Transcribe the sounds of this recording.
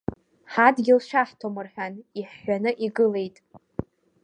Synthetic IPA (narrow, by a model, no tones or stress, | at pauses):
ħadɡʲɪlʃʷᶣaħtʰomɨrħᶣaniħːʷanɨʔiɡɨle̞jtʼ